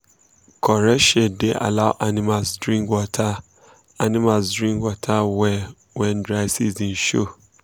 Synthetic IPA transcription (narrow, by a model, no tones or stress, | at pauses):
kʰɔɾɛʃedeʔa̰laʊʔanĩmalsdɹĩŋkwɔtʰa | anĩmalsdɹĩŋkwɔtʰawɛ | wɛ̃ndɾaɪsizĩn̩ʃo̰